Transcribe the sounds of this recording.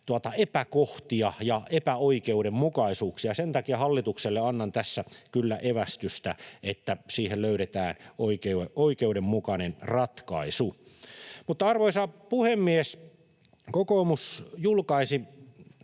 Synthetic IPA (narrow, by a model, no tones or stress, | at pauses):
t̪uɑt̪ɑepækoht̪iɑjɑepæoikeuɾemmukɑisuːksijɑsent̪ɑkiɑhɑlːit̪ukselːeɑnːɑnt̪æsːækylːæʔeʋæst̪yst̪æet̪ːæsiːhelløyɾet̪æːnoikeeoikeuɾemmukɑnenrɑt̪kɑ̰isu | mut̪ːɑɑrʋoisɑpuhemːies | kokoːmusjulkɑisi